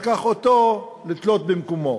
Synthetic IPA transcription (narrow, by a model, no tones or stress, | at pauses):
kaχot̪o | litlot̪̚bimkomo̞